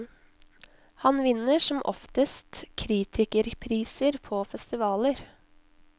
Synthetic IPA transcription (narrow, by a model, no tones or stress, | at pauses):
hɑnʋɪnəʂɔmʔɔ̰ft̪əst̪kʰɾiːt̪ʰɪkəɾpʰɾiːsəɾpʰoːfɛst̪ɪʋɑːləɾ